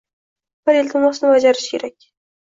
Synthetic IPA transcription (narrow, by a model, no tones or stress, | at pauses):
b̥əɾelʲt̪ʰɪmɒsɪnɪwad͡ʒaɾɪʃkʲʰeɾakʲ